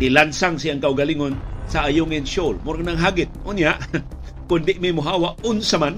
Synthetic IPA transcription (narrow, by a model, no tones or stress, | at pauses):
d̪ɪlansaŋsɪaŋkaʔʊɡaliŋonsaʔajʊŋɪnʃolmʊɾknaŋɦaɡɪt̪̚ʔʊnjaʔ | kʊnd̪ɪʔmimʊɦaːwaʔʊnsaman